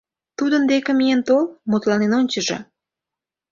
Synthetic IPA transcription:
t̪ud̪ənd̪ekemijent̪olmut̪lɑnenonʲt͡ɕəʒḛ

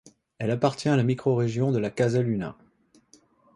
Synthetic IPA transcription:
ɛlapaʁt̪jɛ̃alamikχɔʁeʒjɔ̃d̪əlakazalyna̰

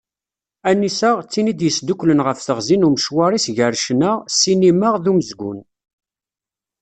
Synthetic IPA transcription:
ænːisəʁt͡sːinid̪jəsd̪uklənʁəfθəʁzinuməʃwɑɾˤisʝəɾʃnəʁsiniməʁðuməzɡʷṵn

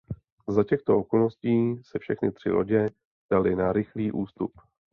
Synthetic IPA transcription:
zacɛxt̪o̞ʔoko̞lnosciːsɛfʃɛxnɪt̪r̝̥ɪ̰lʔo̰ɟɛ | d̥alɪnaɾɪxliːʔuːst̪up

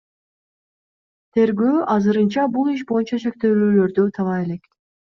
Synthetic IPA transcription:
t̪ʰe̞ɾɡøːʔɑzɯɾɯnt͡ʃɑbulˠiʃ̬bo̞junt͡ʃɑʃek̚t̪eːlyːlø̞ɾd̪øt̪ʰɑlˠɑe̞lek

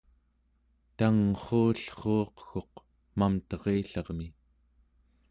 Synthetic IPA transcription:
t̪aŋχoːɬχoːqxo̞q | mamt̪ʌʁeːɬɑʁmi

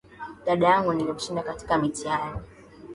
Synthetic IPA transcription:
ɗaɗajaŋɡunilikuʃindakati̥kamitiani

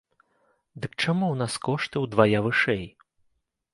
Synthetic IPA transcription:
d̪ɨk̚t͡ʂamuwn̪askɔʂt̪ɨwd̪vajavɨʂɛj

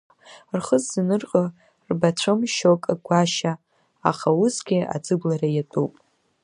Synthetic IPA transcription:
rχəzːanɨrqʼo | rbat͡ʃʷʰɨmʃokʼaɡʷaʃa | a̰χausɡʲia̰d͡zɨblaɾajatʼupʼ

